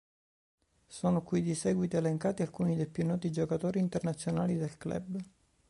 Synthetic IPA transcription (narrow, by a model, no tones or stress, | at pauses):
soːnokwid̪isɛɡwit̪ieleŋkaːt̪ialkuːnid̪ejpjunːɔːt̪id͡ʒokat̪oːɾiːnt̪ernat̪sːjonaːlid̪elklɛ̰b